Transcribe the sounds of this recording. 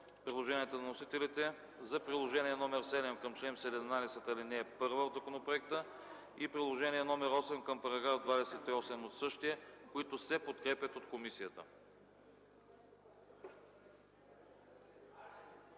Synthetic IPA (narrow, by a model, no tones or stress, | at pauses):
pɾid̪lˠoʒɛniɛt̪onɐnosit̪ɛlit̪ɛ | zɐpɾidlˠoʒɛniɛnɔmɛɾsɛd̪ɛmkɐmt͡ʃlɛnsɛd̪ɛmnalisət̪əlinɛːpɤɾvəod̪zɐkonopɾoɛk̚t̪ə | ipɾid̪lˠoʒɛniɛnɔmɛɾɔsɛmkɐmpɐɾɐɡɾafd̪vad̪ɛsɛt̪iɔsɛmot̪sɤʃt̪iɛkoit̪ʊsɛpot̪kɾɛpjʲət̪ot̪̚komisijət̪ə̰